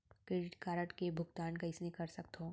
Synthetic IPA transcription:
kɾeːɖɪʈkaːɾəʈkebʱʊɡt̪aːnkaɪsnekɐɾsɐk̚t̪õː

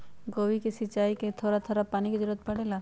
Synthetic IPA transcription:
ɡoʋikisit͡ʃajket̪ʰoɾat̪ʰoɾapanikid̪uɾɔt̪̚pəɽela

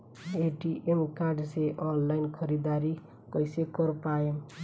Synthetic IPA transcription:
eʈiʔemkarɖseʔɔnlainkʰʌɾid̪aɾi | kʌjsekʌrpaem

